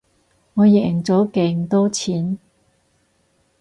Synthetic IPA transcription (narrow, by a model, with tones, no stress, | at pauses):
ŋɔː˨˧jɛ˨ɪ˨˩ŋt͡sɔː˨˥keː˨˧ŋ˨t̪ɔː˥t͡sʰiː˨˥n